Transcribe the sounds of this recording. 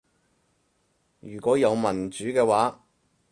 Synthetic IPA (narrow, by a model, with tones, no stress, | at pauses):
jyː˨˩kʷɔː˨˥jɐ˨˧wmɐ˨˩nt͡ʃyː˨˥kɛː˧waː˨˥